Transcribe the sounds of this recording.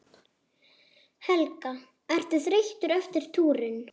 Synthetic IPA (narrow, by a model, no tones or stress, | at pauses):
hɛlka | ɛr̥t̪ʏθɾeht̪ʏɾœft̪ɪɾ̥t̪ʰuːɾɪn